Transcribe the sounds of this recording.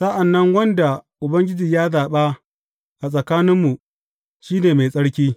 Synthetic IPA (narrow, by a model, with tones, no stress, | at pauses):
sa˦ʔa˨nːɐ˦ŋwɐ˦nda˨ʔʊ˨bɐ˦ŋɡʲɪ˦d͡ʒiː˨jaː˦zaː˨ɓa˦ | ʔa˨sʼɐ˨kaː˦nɪ˦mːu˨ | ʃiː˦neː˨ma˨jsʼɐ˦ɽkʲiː˦